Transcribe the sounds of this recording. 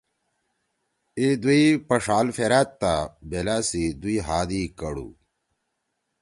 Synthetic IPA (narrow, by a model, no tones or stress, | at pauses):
id̪uipɐʂaːlfeɾat̪ːabelasid̪uiɦaːd̪ikɐɽṵ